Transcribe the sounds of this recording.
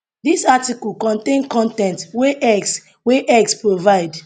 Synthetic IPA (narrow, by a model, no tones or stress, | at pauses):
disatikɔlkɔ̃ntẽnkɔ̃ntɛ̃ntweʔɛs | weʔɛkspɹovaɪd